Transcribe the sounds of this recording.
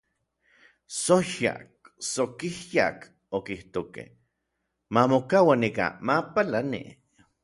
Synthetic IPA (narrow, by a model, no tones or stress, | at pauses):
soʃa̰k̚ | sokihja̰k | okiht̪okḛh | mamokawanika̰mapalanḭ